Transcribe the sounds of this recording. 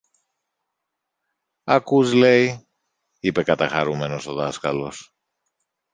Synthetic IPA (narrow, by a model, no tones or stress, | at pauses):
ɐkuzle̞i | ipe̞kɐt̪ɐxɐɾume̞no̞so̞ðɐskɐlo̞s